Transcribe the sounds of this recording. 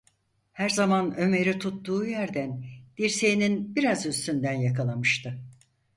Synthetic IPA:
hæɾzamanø̞me̞ɾit̪ʰut̪ːuːjæɾd̪ænd̪̥iɾse̞jininbiɾazyst̪ynd̪ænjakʰalˠamɯʃt̪ʰɯ

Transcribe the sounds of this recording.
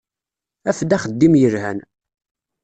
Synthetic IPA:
æfd̪æχəd̪ːimjəɾhæn

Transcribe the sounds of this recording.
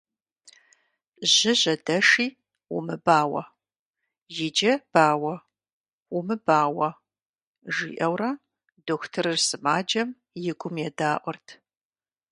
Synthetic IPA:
ʑɪʑɐdɐʂiː | wṵmɨbaːwɐ̰ | jɪd͡ʒɐb̥aːwɐ | ʊmɨbaːwɐ | ʒḭːʔɐwrɐ | doxʷtʰɨrɨrsɨmaːd͡ʒɐm | jɪɡʷʊmjɛdaːʔʷɔrtʰ

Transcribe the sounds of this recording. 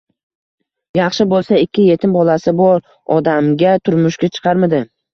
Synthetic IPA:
jɑχʃɪbolˠsaɪkʲːɪje̞t̪ʰɪmbɒlasɪbɒɾ | ɒd̪amɡʲat̪ʰʊɾmʊʃɡʲat͡ʃʰɨ̥qʰɑɾmɪd̪ɪ

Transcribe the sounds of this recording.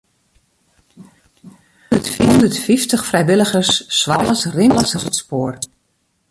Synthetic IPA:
ətfiɦɔndətfiftəxfrɛjʋɪləɣərsːʋaəsrɪmləsəzətspoːr

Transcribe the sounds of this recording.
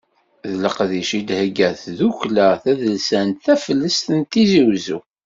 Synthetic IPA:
ðələqðiʃid̪həɡæθðuçlæθæðəlsænt̪θæfəlːəst̪ənt̪iziwzṵ

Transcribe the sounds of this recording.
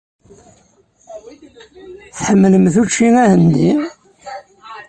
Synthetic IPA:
θħəmːləmθut͡ʃːiŋæhənd̪i

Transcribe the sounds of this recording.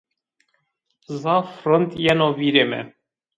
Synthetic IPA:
zɑfɾɔnt̪jɛnoviɾemɛ̰

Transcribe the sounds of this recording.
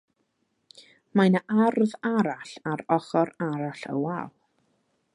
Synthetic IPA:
majnaʔarðaɾaɬaɾɔχɔɾaɾaɬə̰walˠ

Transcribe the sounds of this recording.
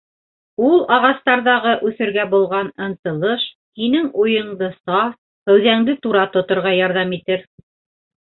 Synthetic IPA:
ulˠɑʁɑst̪ɑɾðɑʁɤʔʉθɘ̆ɾɡæbulˠʁɑnɤ̆nt̪ɤ̆lˠɤʃ | hinɘŋujɤ̆ɴd̪ɤsɑf | hɵ̆wðæŋd̪ɘt̪uɾɑt̪ŏt̪ŏɾʁɑjɑɾðɑmit̪ɘɾ

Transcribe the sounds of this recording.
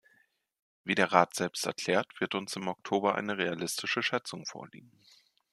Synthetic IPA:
viːdeːɐʁaːtz̥ɛlpstɛɐkʰl̥ɛːɐtv̥ɪɐtʊnsɪmɔk̚tʰoːbɐʔa̰ɪnəʁealɪstʰɪʃəʃɛt͡sʊŋfo̰ːɐlḭːɡŋ̩

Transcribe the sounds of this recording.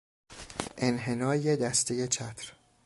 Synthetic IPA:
ʔe̞nɦe̞nɒːjed̪æst̪eje̞t͡ʃʰæt̪ʰɾ

